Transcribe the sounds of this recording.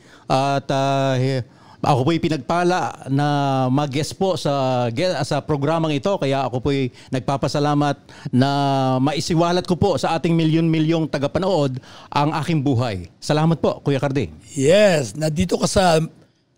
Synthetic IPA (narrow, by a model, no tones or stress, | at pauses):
ʔɐt̪ɐ | ʔɐ̰ko̞poɐjpɪnɐɡ̚paːlɐʔnɐmɐɡɛspo̞sɐɡɛsɐpɾoɡɾaːmɐŋɪt̪o̞kɐjaʔɐko̞poʔɛj | nɐɡ̚paːpɐsɐlaːmɐt̪̚ | nɐmɐʔɪsɪwaːlɐt̪̚kopo̞sɐʔaːt̪ɪŋmɪljonmɪljoŋt̪ɐɡɐpɐnoʔo̞d̪ʔɐŋʔaːkɪŋbuːɦɐjsɐlaːmɐt̪̚po̞ʔkuːjɐkɐɾd̪ijɛsnɐd̪iːt̪okɐsɐ